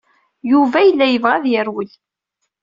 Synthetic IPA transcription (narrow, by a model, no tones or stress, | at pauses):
juvæjəlːæjəvʁæðjəɾwəl